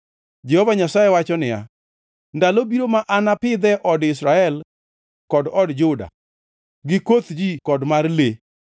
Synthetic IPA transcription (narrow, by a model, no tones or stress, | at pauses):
d͡ʒɛhovaɲasajewat͡ʃɔnɪja̰ | ndalobiɾomaʔanapɪd̪ɛʔɔdɪsɾaɛl | kɔdɔdd͡ʒʊda̰ | ɡɪkot̪d͡ʒikɔdmarle